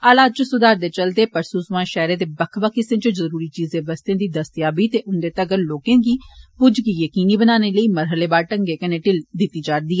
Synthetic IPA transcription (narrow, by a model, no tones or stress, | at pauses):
aːlaːd̪̚t͡ʃəsʊd̪aːɾd̪eːt͡ʃəld̪eːpəɾsuːsʋãːʃɛːɾẽːd̪eːbəkʰʋaːkɪsẽːt͡ʃəzəɾuːɾiːt͡ʃiːzẽːbəst̪ẽːd̪iːd̪əst̪jaːbiːt̪eːʔʊnd̪eːt̪əɡəɾloːkẽːɡiːpʊd͡ʒɡiːjəkiːniːbənaːneːləiːməɾɦəleːbaːɾʈəŋɡeːkəneːʈɪld̪ɪt̪ːiːd͡ʒaːɾd̪iːɛː